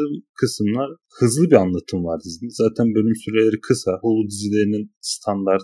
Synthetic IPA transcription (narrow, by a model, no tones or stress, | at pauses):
ɯmkʰɯsɯmlˠaɾ | hɯzlˠɯbianlˠat̪ʰɯmvaɾd̪iznizaːt̪ʰænbø̞lʲymsyɾelʲeɾikʰɯsaholˠud̪izilʲe̞ɾininst̪ʰand̪aɾt̪